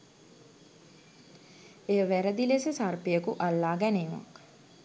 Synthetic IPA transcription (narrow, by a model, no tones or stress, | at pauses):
ejəʋæɾəd̪ilesəsarpejəkuʔalːaːɡæneːma̰k